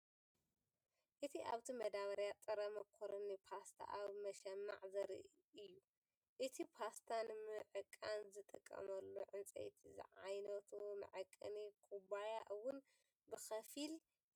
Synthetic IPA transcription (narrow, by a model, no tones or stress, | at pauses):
ʔɨt̪ʰiʔa̰βt̪ʰimɐd̪aβɐɾjat͡s̪ʼɨɾɐmɐkʰoɾɐnipʰast̪ʰa̰ʔaβmɐʃɐmːa̰ʕzɐɾɨ̰ | ʔɨjːu | ʔɨt̪ʰipʰast̪ʰanmɨʕɨkʼːanzɨt̪ʼɨkʼːɐ̰mɐlːoʕɨnt͡sʼɐ̰jt̪ʰizɨ̰ʕa̰jnɐt̪ʰumɨ̰ʕɨkʼːɐ̰nikʰubajaʔɨwʊn | bɨxɐfil